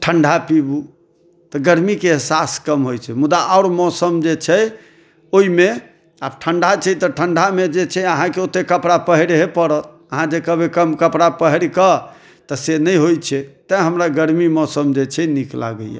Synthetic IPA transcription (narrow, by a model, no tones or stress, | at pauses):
ʈʰəɳɖʱapibu | t̪ɔɡəɾmikeɦsaskəmɦojt͡ʃʰɛmud̪aaʊɾmɔsəmd͡ʒet͡ʃʰɛ | oime | ab̚ʈʰəɳɖʱat͡ʃʰɛt̪ɔʈʰəɳɖʱamed͡ʒet͡ʃʰɛəɦãkeot̪ekəpɾapəɦəɾɦepəɾət̪̚ | əɦãd͡ʒekəbʱekəmkəpɾapəɦɾkə | t̪əsenəjɦojt͡ʃʰɛt̪əɦəmɾaɡəɾmimɔsəmd͡ʒet͡ʃʰɛnikla̰ɡə̰jja̰